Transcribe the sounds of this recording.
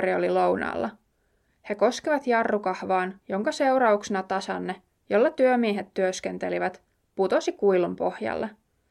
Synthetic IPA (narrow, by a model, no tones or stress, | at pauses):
iolilo̞wnɑ̰ːlːɑ | he̞ko̞skiʋɑt̪jɑrːukɑhʋɑːnjo̞ŋkɑse̞wɾɑuksenɑt̪ɑsɑ̰nːe | jo̞lːɑt̪yømieɦet̪ːyøskent̪e̞liʋæt̪ | put̪o̞sikujlumpo̞hjɑ̰lːe